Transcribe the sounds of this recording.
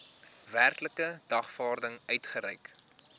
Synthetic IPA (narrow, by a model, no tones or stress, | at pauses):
værkləkədɐχfɑːrdəŋœɥtχəɾɛjk